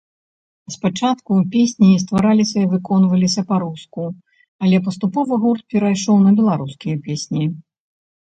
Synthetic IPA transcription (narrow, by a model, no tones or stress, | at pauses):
spat͡ʂat̪kupʲesʲnʲist̪vaɾalʲisʲɐivɨkɔnvɐlʲisʲɐpaɾusku | ɐlʲɛpɐst̪upɔvɐɣurt̪̚pʲɛɾajʂɔwnɐbʲɛlˠaɾuskʲijɐpʲesʲnʲi